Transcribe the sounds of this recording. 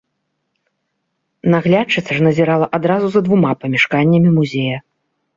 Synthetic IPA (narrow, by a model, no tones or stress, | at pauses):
naɣlʲat͡ʂɨt̪sʲɐʐnɐzʲɛɾalˠɐʔad̪ɾazuzɐd̪vumapɐmʲɛʂkanʲːɐmʲimuzʲejɐ